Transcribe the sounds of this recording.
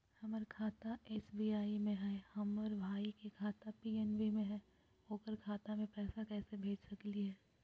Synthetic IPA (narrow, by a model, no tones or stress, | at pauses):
hɐməɾkʰaːt̪aeːt͡ʃbiːaːimẽɦɛːhɐmɔɾbʱaːikekʰaːt̪apiːɛnbimẽɦɛː | ɦoːkəɾkʰaːt̪amẽpɛːsakɛːsebʱeːd͡ʒsɐkliɦɛː